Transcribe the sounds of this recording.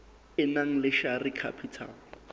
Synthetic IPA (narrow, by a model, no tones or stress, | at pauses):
ɪnaŋ̩lɪʃarikʰa̰pʰitʰa̰l